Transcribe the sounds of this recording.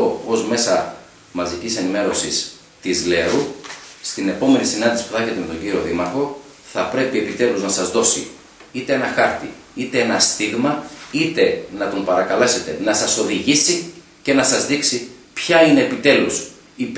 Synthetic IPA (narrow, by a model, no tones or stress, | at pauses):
ozme̞sɐ | mɐzicise̞nime̞ɾo̞sis | t̪izleɾust̪ine̞po̞me̞nisinɐnd̪isi̥puθɐeçe̞t̪eet̪o̞ɲɟiɾio̞ðimɐɾxo̞ | θɐpɾe̞pie̞pit̪e̞luznɐsɐzðo̞sḭ | it̪e̞enɐxɐɾt̪i | it̪e̞enɐst̪iɣmɐit̪e̞nɐt̪ompɐɾɐkɐle̞se̞t̪e̞nɐsɐso̞ðiʝisi | ce̞nɐsɐzðiksipçɐine̞ːpit̪e̞lus | i